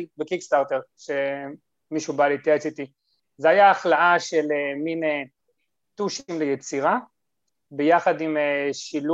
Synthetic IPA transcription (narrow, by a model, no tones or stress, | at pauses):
bekikst̪aʁt̪eʁ | ʃe | miʃubalit̪et͡sit̪i | zeajaːχlaʔaʃelemine | t̪uʃimlejet͡siʁa | bejaχad̪imeʃilu